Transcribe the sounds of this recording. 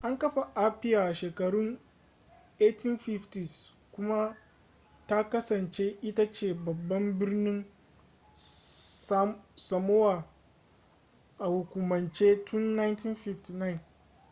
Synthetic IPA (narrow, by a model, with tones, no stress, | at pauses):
ʔa˦ŋkɐ˦ɸa˨ʔa˦ɸɪ˦jaː˨ʃeː˨kɐ˨ɽʊ˦ŋ | ʔeː˦tʰi˦nɸi˦ɸti˨s | kʷʊ˦ma˦ | ta˦kɐ˦sɐ˨nt͡ʃe˦ʔɪ˦ta˦t͡ʃeː˨bɐ˨bːɐ˦mbɪ˦rnɪ˦ŋ˦ | sɐ˨mo˦waː˨ | ʔa˨hu˨kʷu˨mɐ˨nt͡ʃeː˦tʰʊ˦nːa˦jnti˦nɸi˦fti˨na˦ɪ˨n